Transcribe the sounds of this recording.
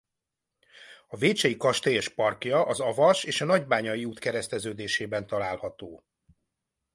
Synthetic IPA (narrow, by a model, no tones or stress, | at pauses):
ɒveːt͡ʃɛjikɒʃt̪eɛʃpɒrkjɒʔɒzɒvɒʃeːʃɒnɒɟbaːɲɒjiuːt̪kɛɾɛst̪ɛzøːd̪eːʃeːbɛn̪t̪ɒlaːlhɒt̪oː